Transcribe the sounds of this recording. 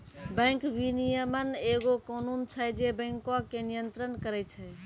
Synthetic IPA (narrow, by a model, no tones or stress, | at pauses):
bə̃ŋkʋinijəməneɡokɔnunt͡ʃʰɛd͡ʒebə̃ŋkakenijənt̪ɾənkəɾɛt͡ʃʰɛ